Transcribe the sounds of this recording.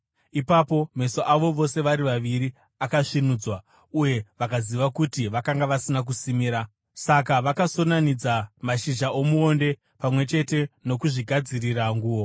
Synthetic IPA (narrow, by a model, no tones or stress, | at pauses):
ipapo̞me̞soʔaʋo̞ʋo̞se̞ʋaɾiʋaʋiɾi | akaʂinuːd͡zwa | uje̞ʋakaziʋakutiʋakaŋɡaʋasinak̬usimiɾa | sak̬aʋakaso̞nanid͡zamaʃiʒaʔo̞muonde̞ | pamwe̞t͡ʃe̞te̞no̞kuʐiɡʱad͡ziriraŋɡuːo̞